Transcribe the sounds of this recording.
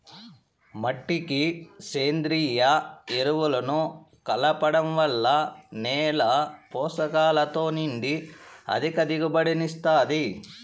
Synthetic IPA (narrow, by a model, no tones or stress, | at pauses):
mɐʈːikiseːnd̪ɾiːjɐeɾuʋulɐnu | kɐlɐpɐɽɐmʋɐlːɐnɛːlɐpɔːsɐkaːlɐt̪o̞ːniɳɖiɐ̰d̪ʱikɐd̪iɡubɐɽinist̪aːd̪i